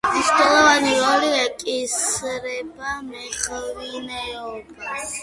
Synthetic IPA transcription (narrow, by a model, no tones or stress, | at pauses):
miʃt̪ɛlˠɔvaniɾɔliɛkʼisɾɛbamɛχvinɛɔba